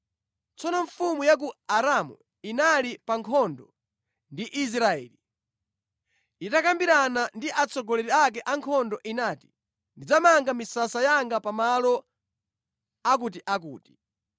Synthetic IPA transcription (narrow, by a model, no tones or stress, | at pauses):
t͡sɔnɔɱfumujak̬uaɾamṵ | inalipaŋkʰɔndɔ | ndiʔis̬ɾaɛ̰ːli | itakambiɾanandiʔat͡sɔɡɔlɛɾiak̬ɛʔaŋkʰɔndɔʔinaːti̥ | ndid͡zamaŋɡamisasajaŋɡapamalɔ | ak̬ut̬iʔak̬ṵːti̥